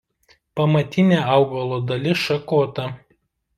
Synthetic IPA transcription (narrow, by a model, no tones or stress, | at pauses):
pɐmɐt̪ʲɪnʲeːɐˑʊɡɐlˠoːd̪ɐlʲɪʃɐkoːt̪ɐ